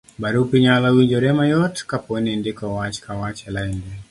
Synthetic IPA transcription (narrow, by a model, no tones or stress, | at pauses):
baɾupiɲalawiɲd͡ʒɔɾɛmajɔtkapɔnindikɔwat͡ʃkawat͡ʃɛlaindɛ